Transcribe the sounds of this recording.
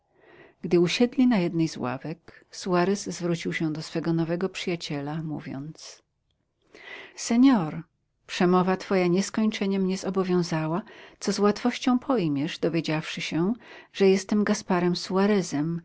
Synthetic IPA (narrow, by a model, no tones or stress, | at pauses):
ɡ̥d̪ɘuɕɛd̪lʲinajɛd̪nɛjzwa̰vɛksuaɾɛszvɾut͡ɕiwɕɛ̃d̪ɔsfɛɡɔnɔvɛɡɔpʂɘjat͡ɕɛlamṵvʲjɔ̰nt̪s | sɛɲɔɾ | pʂɛmɔvat̪fɔjaɲɛskɔɲt͡ʂɛɲɛmɲɛzɔbɔvʲjɔ̃w̃zawat̪sɔzwat̪fɔɕt͡ɕɔ̃w̃pʰɔjmʲjɛʐd̪ɔvʲjed͡ʑafʂɘɕɛʐ̥ɛjɛst̪ɛmɡaspaɾɛmsuaɾɛzɛm